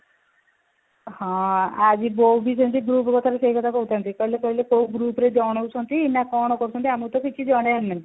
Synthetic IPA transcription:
hɔ̃ad͡ʒiboubis̬entiɡɾupkɔt̪ʰaɾeseikɔt̪akɔɦut̪ʰant̪ikɔɦilekɔilekouɡɾuːpɾed͡ʒɔɽ̃owt͡ʃʰɔnt̪iːnakɔɽ̃ɔkɔɾut͡ʃʰɔnt̪iamut̪ɔkit͡ʃʰid͡ʒɔɽ̃eanːai

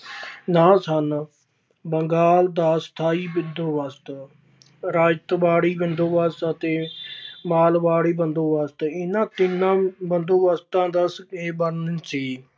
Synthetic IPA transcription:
nãːsən | bəŋɡaːld̪aːst̪ʰaːiːbɪnd̪oːʋəst̪ | ɾaːd͡ʒt̪baːɽiːbɪnd̪oːʋəst̪ət̪eːmaːlʋaːɽiːbənd̪oːʋəst̪ɪnãːt̪ɪnːãːbənd̪oːʋəst̪ãːd̪əseːbəɾnnsiː

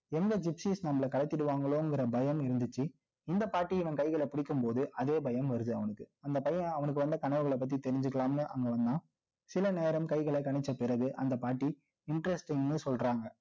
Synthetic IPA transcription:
ɛnd̪ɐd͡ʒɪpsiːsnɐmɐɭɐkɐɽɛt̪ːɪɽɯʋaːŋɡɐɭoːɛŋɡɪɾɐbɐjɐmɪɾɯnd̪ɯt͡ʃːɯ | ɪnd̪ɐpaːʈːiɪʋɐ̃nkɐɪɣɐɭɛpɪɽɪkːɯmpoːðɯʔɐðeːbɐjɐmʋɐɾɯðɯɐʋɐnɯkːɯɐnd̪ɐpɐjɐ̃ɐʋɐnɯk̬ːɯʋɐnd̪ɯkɐɳɐʋɐɣɐɭɐp̬ːɐt̪̬ːit̪ɛɾɪɲd͡ʒɯkːɐlaːmnɯʔɐ̰ŋɡɐʋɐnd̪ãː | sɪlɐneːɾɐmkɐɪɣɐɭɐkɐɳɪt͡ʃːɐpɪɾɐɣɯʔɐ̰nd̪ɐpaːʈːi | ɪɳʈɾɛsʈɪŋnɯsɔlraːŋɡɐ

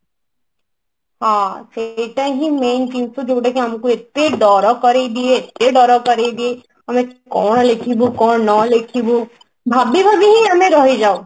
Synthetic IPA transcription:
ɦãːseːʈãɦĩmẽːnʈiːmsod͡ʒoːɽekiɦɐmkoɪt̪ːeɖɔːɾɔkɐɾed̪ieɪt̪ːeɖɔːɾakɐɾed̪ie | ɦɐmẽkɔːɽlekʰibukɔːɳnɔlekʰibu | bʱaːbibʱaːbiɦĩɦɐmẽɾɔɦid͡ʒaːo

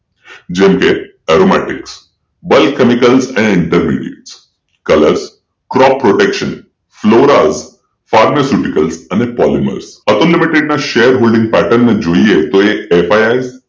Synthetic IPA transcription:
d͡ʒemke | ɛɾomɛ̰ʈɪks | bəlkːemikəlzəneɪɳʈəɾmḭɖiḛʈs | kələɾs | kɾɔppːɾoʈekʃən | floɾaz | faɾmɛsjuʈikəlzənepɔlimə̰ɾsət̪olːimiʈeɖ̚naʃejəɾɦolɖɪ̃ŋɡ̚pæʈənːed͡ʒoiet̪oeefajaiz

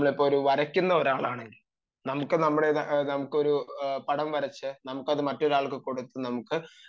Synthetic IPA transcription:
mːɐɭipːoːɾuʋɐɾɐkʲːunːɐoɾaːɭaːɳe̞ŋɡil | nɐmukːɨnɐmːuɭeðnɐmukːɨo̞ɾupɐɽɐmʋɐɾɐt͡ɕːɨnɐmukːɐðɨmɐtːo̞ɾaːɭkːɨko̞ɽut̪ːunɐmukːɨ

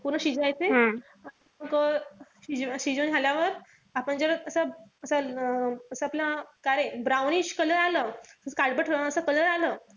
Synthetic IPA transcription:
puɾnəɕid͡ʑajt͡seɦã | a | kəɕid͡ʑɕid͡ʑonɦaljaʋəɾ | apəɳd͡zəɾəsəəsa | əsəapljakaɾəjbɾawniɕkələɾaləːəsəkaɽbəʈʰəəsəkələɾaləː

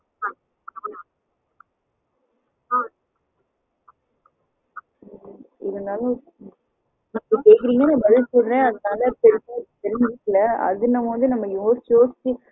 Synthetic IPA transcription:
ɪðɐnaːlɐ̃ | nɐɐkeːkɪɾiːŋɡɐnãːbɐðɪlsɔlɾẽːɐðɯnaːlɐpɛɾɯtːɐpɛɾɯnd͡ʒɪkːlɐɐ̰ðɪnɐmoːðɯnɐmːɐjoːsjoːsɪt͡ʃːɯ

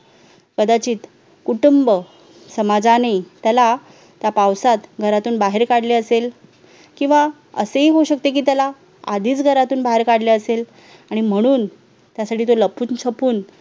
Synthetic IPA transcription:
kəd̪at͡ɕiːt̪ | kuʈumbə | səmad͡zanəjt̪jala | t̪japawsat̪ɡʱəɾat̪uːnbaɦeɾkaɽleəsel | kĩw̃ʋa | əseɦiɦouɕək̚t̪ek̬iːt̪jala | ad̪ʱiːt͡sɡʱəɾat̪uːnbaɦeɾkaɽleəsel | aɽ̃im̤əɽ̃uːn | t̪jasaʈʰiːt̪oləpuːnt͡ɕʰəpuːn

